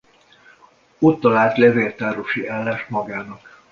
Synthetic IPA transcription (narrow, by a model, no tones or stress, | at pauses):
ot̪ːɒlaːlt̪lɛveːlt̪aːɾoʃiaːlːaːʃmɒɡaːnɒk